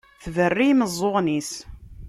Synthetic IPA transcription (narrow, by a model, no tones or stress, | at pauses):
θvərːiməzˤːoʁnis